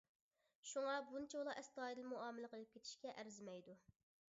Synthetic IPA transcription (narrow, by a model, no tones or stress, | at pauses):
ʃuŋɑbunɪt͡ʃʰeulˠɑʔɛst̪ɑːid̪ɪlmuɑːmɪlɪqəlˠɨp̚kʲʰet̪ʰɪ̥ʃkʲɛʔæɾzɪmɛjd̪u